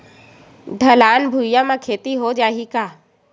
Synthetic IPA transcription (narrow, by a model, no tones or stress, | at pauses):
ɖʱɐlaːnbʱuɪjamãkʰeːt̪iɦod͡ʒaːɦikaː